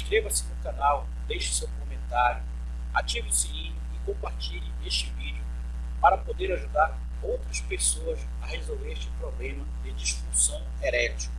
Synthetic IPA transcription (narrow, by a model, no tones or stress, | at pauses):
iʃkɾevɐsɪnʊkanaw | d̪ejʃɪ̥sewkomẽnt̪aɾjʊ | at͡ʃivɪʊsiĩɲ | ɪkõmpaɾt͡ʃiʎɪeʃt͡ʃɪvid͡ʒiʊ | paɾɐpod̪eɾaʒud̪aɾ | owt̪ɾɐspesoɐs | ɐhezolveɾeʃt͡ʃɪpɾoblẽmɐd̪ɪd͡ʒiʃfuɾsɐ̃w̃eɾɛt͡ʃi̥kɐ